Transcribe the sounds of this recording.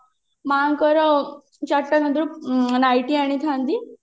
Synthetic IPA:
maŋkəɾə | t͡ɕaʈːakənd̪ɾunajʈiaɽ̃it̪ʰãnd̪i

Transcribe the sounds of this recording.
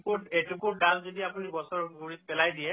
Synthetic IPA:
puetukuɹdalzodiapunibɔsɔɹɡuɹit̚pɛlajdijɛ

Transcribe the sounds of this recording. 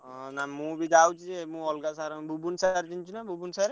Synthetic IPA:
namũbid̪awt͡ʃid͡ʒemũɔlɡasaɾɔbʱubunsaɾtint͡ʃʰunabubunsaɾe

